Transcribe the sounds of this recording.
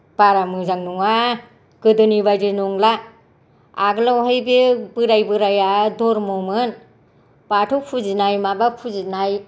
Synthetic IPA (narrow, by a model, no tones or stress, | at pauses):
b̥aɾamɯzaŋnuŋa | ɡ̥ɯdɯnibajdɯnɔŋla | aɡɯlawɦajbibɯɾajbɯɾajadɔɾmɔmɯn | b̥atʰupʰuzinajmabapʰuzinaj